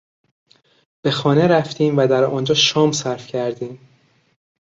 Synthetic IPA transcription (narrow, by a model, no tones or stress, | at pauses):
b̥e̞xɒːneɾæft̪ʰiːmvæd̪æɾɒːnd͡ʒɒːʃɒːmsæɾfcʰæɾd̪iːm